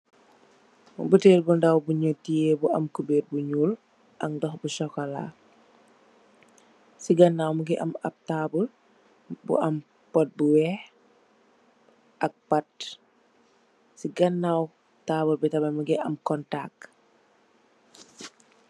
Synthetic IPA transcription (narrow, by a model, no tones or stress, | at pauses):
buteːlbundawbuɲutijebuʔɐ̰mkubet̚buɲuːl | ʔɐkndɔxbusɔkɔla̰ | siɡɐnːawmuɡiʔɐmap̚tabul | bṵʔɐm | pɔt̚buwɛh | ʔɐk̚pat̚ | siɡɐnːaw | taːbulbitabamuɡiʔɐmkɔntak